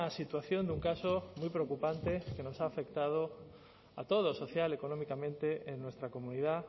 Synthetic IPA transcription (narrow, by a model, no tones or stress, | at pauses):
ɐsit̪waθjond̪uŋkasomujpɾeokupant̪ekenosaːfekt̪að̞o | at̪oð̞osoθjalekonõmikamẽnt̪eʔenwest̪ɾakomũniða